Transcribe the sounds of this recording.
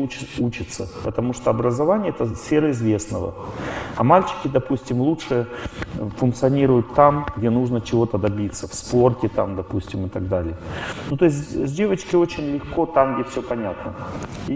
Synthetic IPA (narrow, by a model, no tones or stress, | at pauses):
ɪut͡ɕɪt̪səpət̪ɐmuʂt̪oɐbɾəzɐvanʲɪjəɛt̪əsfʲe̞ɾəɪzvʲe̞snəvə̰ɐmalʲt͡ɕɪ̥kʲɪd̪ɐpusʲtʲɪmlˠutʂɨ | fʊnk̪t̪sɨɐnʲiɾʊjʊt̪ːamɡdʲenuʐnət͡ɕɪvo̞t̪əd̪ɐbʲit̪sːəfsporkʲɪt̪amd̪ɐpusʲtʲɪmɨt̪ɐɡd̪alʲɪjənut̪o̞ɪs̬ʲzʲdʲe̞vət͡ɕkʲɪo̞t͡ɕɪnʲlʲɪxko̞t̪amɡdʲefsʲopɐnʲat̪nəi